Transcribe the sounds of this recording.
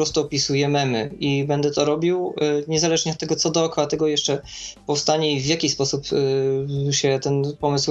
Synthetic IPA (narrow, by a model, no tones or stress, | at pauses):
pɾɔst̪uɔpʲisujɛmɛmɘibɛnd̪ɛt̪ɔɾɔbʲiwɲɛzalɛʐɲɛɔt̪ːɛɡɔt̪sɔd̪ɔːkɔat̪ɛɡɔjɛʂt͡ʂɛ | pɔfst̪aɲɛvʲjakʲispɔsup | ɕɛt̪ɛnpɔmɘsw